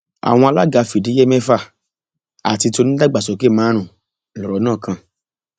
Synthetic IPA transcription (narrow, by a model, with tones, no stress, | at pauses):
a̰˨w̃ɔ̃˧a˧la˦ɡa˧fi˨di˨˦je˦mɛ̃˦fa˦˨ | a̰˨ti˧to˧nĩ˦da˦ɡ͡ba˨sɔ˨˦ke˦˨mãː˨˦ɾ̃ũ˦˨ | lɔ˨ɾɔ˨˦nãː˦˨kʰã˧